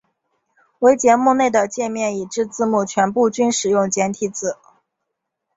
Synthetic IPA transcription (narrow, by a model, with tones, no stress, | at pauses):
we˧˥ɪt͡ɕjɛ˧˥mu˥˧ne˥˩ɪd̪ə˩t͡ɕjɛ˥˧nmjɛ˥˩ni˨˩ʈ͡ʂɻ̩˥˧t͡sɹ̩˥˧mu˥˩t͡ɕʰɥɛ˧˥npu˥˩t͡ɕy˥nʂɻ̩˨˩jʊ˥˩ŋt͡ɕjɛ˧˥nt̪ʰi˧˩t͡sɹ̩˨˩